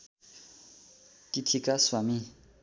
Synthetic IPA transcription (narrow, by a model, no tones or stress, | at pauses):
kit̪ʰikaswami